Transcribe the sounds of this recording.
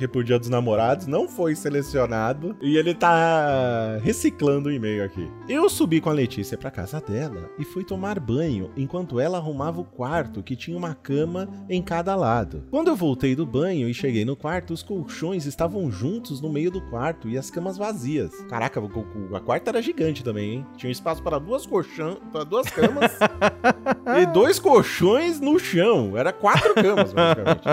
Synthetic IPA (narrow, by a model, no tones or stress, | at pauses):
kɪpʊɾd͡ʒiɐd̪ʊznamoɾad̪ʊznɐ̃w̃fojselesionad̪ʊɪelɪt̪a | ɦesiklɐ̃nd̪ʊɪmejʊakḭ | ewsubikõɐlet͡ʃisiɐpɾɐka̰zɐd̪ɛlɐ̰ɪfujt̪omaɾbɐ̃ɲʊ̰ẽkwɐ̃nt̪ʊɛlɐaɦumavɐʊkwaɾt̪ʊkɪt͡ʃĩɲɐũmɐkɐ̃mɐẽj̃kad̪ɐlad̪ʊ̰kwɐ̃nd̪ʊewvowt̪ejd̪ʊbɐ̃ɲʊɪʃeɡejnʊkwaɾt̪ʊːskowʃõj̃zɪst̪avɐ̃w̃ʒũnt̪ʊznʊmejʊd̪ʊkwaɾt̪ʊɪɐskɐ̃mɐzvaziɐ̰ska̰ɾakɐkoʊɐ̰kwaɾt̪ɐɛɾɐʒiɡɐ̃nt͡ʃɪt̪ɐ̃mẽj̃ẽj̃t͡ʃĩɲɐ̃ũɪspasʊ̥pɾɐd̪uɐskoʃɐ̃paɾɐd̪uɐskɐ̃mɐs | ɪd̪ojskoʃõj̃znʊʃɐ̃w̃ɛɾɐkwat̪ɾʊkɐ̃mɐsbazzikamẽnt͡ʃ